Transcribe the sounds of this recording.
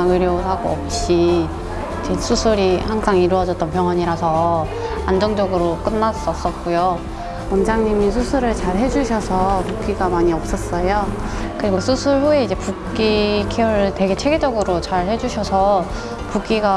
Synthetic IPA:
ɯɾjosʰaɡoʌp̚ɕ͈i | id͡ʑesʰusʰuɾihansaŋiɾuʌd͡ʑʌt͈̚ʌnpjʌŋɦwʌɲiɾasʰʌ | and͡ʑʌŋd͡ʑʌɡɯɾok͈ɯnːas͈ʌs͈ʌt̚k͈ujo | ʌnd͡ʑaŋɲimisʰusʰuɾɯɭt͡ɕaɭɦe̞d͡ʑuɕʰʌsʰʌpuk͈iɡamaɲiʌp̚s͈ʌs͈ʌjo | kɯɾiɡosʰusʰuɭɸue̞id͡ʑe̞puk͈ikʰiʌɾte̞ɡe̞t͡ɕʰe̞ɡed͡ʑʌɡɯɾot͡ɕaɭhe̞d͡ʑuɕʰʌsʰʌ | puk͈iɡa

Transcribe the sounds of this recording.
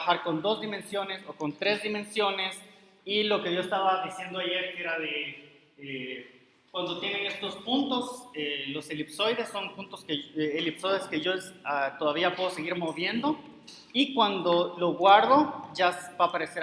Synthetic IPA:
axaɾko̞nd̪o̞zd̪imẽ̞nsjo̞neso̞ko̞nt̪ɾe̞zðimẽ̞nsjo̞ne̞s | ilo̞ke̞ʝo̞est̪aβaðisje̞nd̪oaʝe̞ɾke̞ɾaðe | e | kwand̪o̞t̪je̞nene̞st̪o̞spunt̪o̞selo̞selipso̞jðe̞sːo̞npunt̪o̞skeelipsojðeske̞ʝoat̪o̞ðaβiapwe̞ðoseɣiɾmo̞βje̞nd̪o̞ | ikwand̪o̞lo̞ɣwaɾðo̞ʝasbaːpaɾe̞seɾ

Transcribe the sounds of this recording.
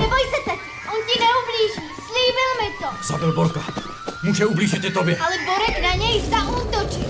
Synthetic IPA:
nɛbojsɛt̪akiʔɔntcinɛubliːʒisliːbɪlmɪt̪ozabɪlbɔlka | muːʒɛubliːʒit̪ɛt̪objɛalɛboɾɛcnaɲɛjsaʔut̪ot͡ʃi

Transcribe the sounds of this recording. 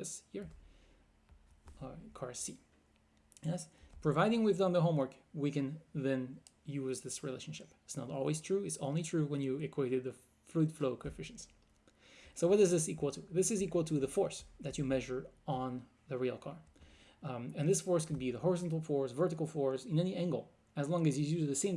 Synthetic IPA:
ɛshiɹ | kʰɑɹɛsi | jɛspʰɹ̥ɨvaɪɾɪ̃ŋwiðdʌ̃nðəɦõmwɜ˞kwikɨ̃nðɨ̃njʉzðɪsɹilḛɪʃn̩ʃɪpɪtsnəɾɔ̰lˠwiz̥tʰɹ̥ʉɨtsõʊ̃nlitʰɹ̥uwə̃njɨɨkʰweɪɾɨd̪̚ðɨ | flʉtfloʊkʰɨ̃fɪʃɨ̃ns | soʊwʌt̚ʌzðɪsikwəl̩ˠtʰɨðɪsɨzikwəl̩ˠtʰɨðəfɔɹsðɨt͡ʃɨmɛʒə˞ə̃n | ðɨɹilˠkʰɑɹ | ɨ̃nðɪsfɔɹskɨd̚biðəɦɔɹɨzɑ̃ntˡl̩ˠfɔɹzvɜ˞ɾɨkl̩ˠfɔɹzɨ̃nɛniʔæ̃ŋɡl̩ˠ | ɨzlɔ̃ŋɨzjɨjʉzðɨsẽɪ̃m

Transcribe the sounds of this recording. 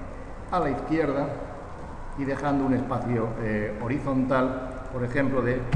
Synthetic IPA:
alaiθkje̞ɾð̞a | iðe̞xand̪oune̞spaθjooɾiθõ̞nt̪al | po̞ɾe̞xẽ̞mploðe

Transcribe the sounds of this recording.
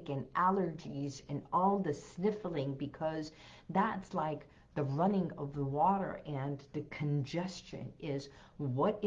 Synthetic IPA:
kɨ̃nʔælˠə˞d͡ʒizɨ̃nɔlˠðɨsnɪfl̩ˠɪ̃ŋbɨkʰʌzðætslaɪk̚ | ðɨɹʌnɪ̃ŋʌvðəwɔɾə̰˞ʔɨ̃nðɨkʰɨ̃nd͡ʒɛst͡ʃɨ̰̃nɪz | wʌɾ

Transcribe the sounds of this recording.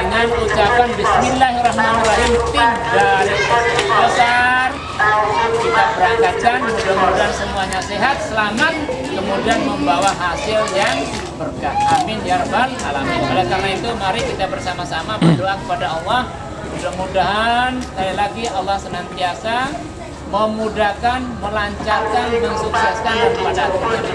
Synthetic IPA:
dəŋanut͡ʃapanbɪsminlahrahmanilaɦɪmt̪ɪŋdaɾɪbosar | kit̪abəɾaŋkat͡ʃanhudahmudaɦansəmuaɲasiɦat̪̚səlamat̪̚ | kəmudianməmbawaɦasɪljaŋ | bərɡaʔaminarbanɦalamɪnalɛkarnait̪umaɾɪkit̪abərsamasamabədoakəpadaɑlːɑh | mudamudaɦansə̥kailaɡiɑlːɑhsənant̪iasa | məmudahkanməlaɲt͡ʃarkanməsuksɛskanaəpadat̪u

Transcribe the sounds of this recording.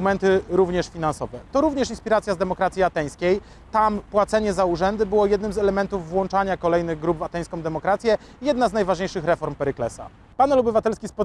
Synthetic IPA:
mɛnt̪ɘɾuvɲɛʂfʲinansɔvɛt̪ɔɾuvɲɛʂinspʲiɾat̪sjazd̪ɛmɔkɾat̪sʲjiat̪ɛj̃skʲej | t̪ampwat̪sɛɲɛzauʐɛnd̪ɘbɘwɔjɛd̪nɘmzɛlɛmɛnt̪uvːwɔnt͡ʂaɲakɔlɛjnɘɣɡɾubvat̪ɛj̃skɔ̃w̃d̪ɛmɔkɾat̪sʲjɛ | jɛd̪̚naznajvaʐɲejʂɘxɾɛfɔɾmpɛɾɘklɛsa̰ | panɛlɔbɘvat̪ɛlskʲispɔ

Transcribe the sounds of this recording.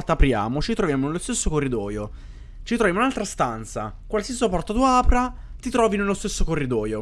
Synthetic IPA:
rt̪aːpɾja̰ːmot͡ʃit̪ɾovjaːmonelost̪esːokorːid̪ɔːjo | t͡ʃit̪ɾovjamounalt̪ɾast̪ant̪sa̰kwalsiasiapɔrt̪at̪uaːpɾa | t̪it̪ɾɔːvinelːost̪esːokorːid̪ɔːjo

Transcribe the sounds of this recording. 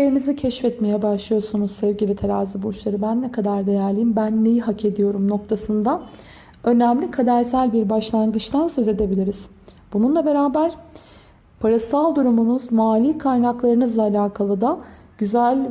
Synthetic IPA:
eɾinizicʰɛʃfɛt̪me̞jɛbaʃlˠɯjo̞ɾsunuzsɛvɟilʲit̪ʰeɾaːzɯboʃlˠaɾɯbænːɛkʰad̪aɾd̪e̞jæɾlʲijimbænːe̞jiɦakʰe̞d̪ijo̞ɾumno̞k̚t̪ʰasɯnd̪a | ø̞næmlʲikʰad̪æɾsælʲbiɾbaʃlˠanɡɯt͡ʃt̪ʰansøze̞d̪e̞bilʲiɾiz̥ | b̥ununlˠabe̞ɾaːbæɾ̥ | pʰaɾasalˠd̪uɾumunuzmaːlʲiːkʰajnaklˠaɾɯnɯzlˠaːlʲaːkʰalˠɯd̪a | ɟ̥yzælʲ

